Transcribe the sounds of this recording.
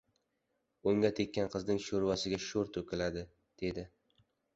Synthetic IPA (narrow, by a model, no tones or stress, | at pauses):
ʊŋʲat̪ʰekʲːanqʰɨznɪŋʃoɾwasɪɡʲaʃoɾt̪ʰokʲʰɪlad̪ɪ | d̪̥e̞d̪ɪ